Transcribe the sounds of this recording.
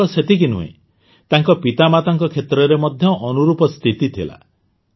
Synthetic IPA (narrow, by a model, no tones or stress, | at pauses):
ɔset̪ikinṵḛ | t̪aŋkɔpit̪amat̪aŋkɔkʰet̪ɾɔɾemɔd̪ʱjɔʔɔnuɾupɔst̪ʰit̪it̪ʰila̰